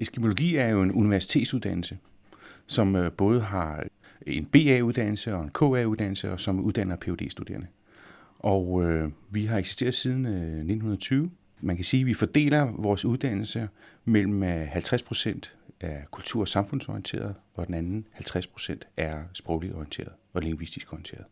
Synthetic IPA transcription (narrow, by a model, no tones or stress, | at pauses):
esɡ̥imo̝lo̝ɡ̥ḭːæɐjo̝e̝nuniʋæɐsi̥t͡sʰe̝ːd̥suð̞ˠd̥æn̰l̩sə | sɒ̽mb̥ɔ̽ːð̞̩ˠɦɑ̈e̝nb̥e̝̰ːɛuð̞ˠd̥æn̰l̩səɒ̽e̝nkʰɔ̰ɛuðˠd̥æn̰l̩səɒ̽sɒ̽muð̞ˠd̥æn̰ɐpʰe̝ode̝̰ːsd̥ud̥e̝̰ːɐnə | ʔɒʊʋiɦɑ̈eɡ̥si̥sd̥e̝̰ːɐð̞̩ˠsiːð̞ˠn̩ne̝dn̩hunɐt͡sʰyːʊ | mænkʰæsiːʋifɒd̥e̝̰ːlɐʋɒːsuð̞ˠd̥æn̰l̩səmel̰m̩hælt͡sʰʁaspʰʁo̝̥sen̰d̥ʔækʰult͡sʰṵɐ̰sɑ̈mfɔ̽nsɔijent͡sʰe̝̰ːɐðˠɒ̽d̥enænn̩hælt͡sʰʁaspʰʁo̝̥sen̰d̥æɐsb̥ʁɔʊlid̥ɒiənt͡sʰe̝̰ːɐðˠɒ̽leŋʋisd̥isɡ̥ɒijn̩t͡sʰe̝̰ːɐðˠ